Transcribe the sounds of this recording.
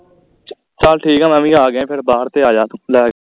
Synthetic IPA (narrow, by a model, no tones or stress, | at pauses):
t͡ʃəlʈʰiːkaːməmĩːɡaːɡẽːpʰɪɾbaːɾt̪eːaːd͡ʒaːt̪ːlɛːɡ